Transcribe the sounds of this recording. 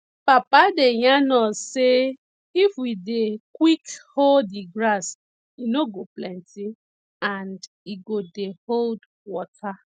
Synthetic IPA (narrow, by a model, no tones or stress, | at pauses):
papadejanɔse | ifwidekwikholdiɡɾas | inoɡoplɛ̃nti | ãnd | iɡodehold | wɔta